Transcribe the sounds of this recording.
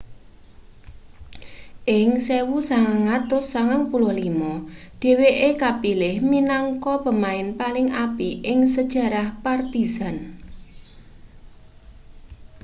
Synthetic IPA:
ʔɪŋsewusaŋaŋːat̪ʊsːaŋaŋpulʊhlimɔɖ̥e̤weʔekapilɪhminaŋkɔpəmaɪnpalɪŋapiʔɪŋsəd̥ʒ̥a̤ɾahpart̪izan

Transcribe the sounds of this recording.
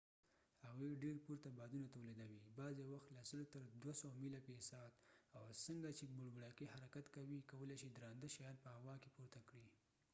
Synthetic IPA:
haɣuɖeɾpuɾt̪abɑd̪unat̪awled̪awibɑzawaxt̪lasəlt̪əɾd̪wasowmilapesɑt̪awsəŋɡat͡ʃebʊɽbɽɑkihaɾakat̪kawikawəlaʃid̪ɾɑnd̪əʃajɑd̪̚pəhawɑkepuɾt̪akɽi

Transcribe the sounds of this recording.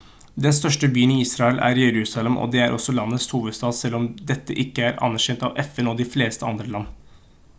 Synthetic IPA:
d̪ɛnst̪œʂʈəbyːəniiːsɾɑɛlʔæ̰ɾjɛɾʉːsɑlɛmʔɔ̰d̪ɛæɾʔɔ̰sːɔlɑnːəshuːʋəd̪st̪ɑːd̪sɛlːɔmd̪ɛt̪ːə̰ʔɪkːəæɾɑ̰nːæɾɕɛnt̪ɑʋɛfɛnɔd̪ɪfleːst̪əɑnd̪ɾəlɑnː

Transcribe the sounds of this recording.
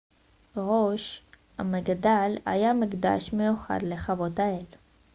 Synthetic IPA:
ʁoʃ | a̰maɡad̪ala̰jamiɡd̪a̰ʃmejuχa̰d̪leχavo̞t̪ael

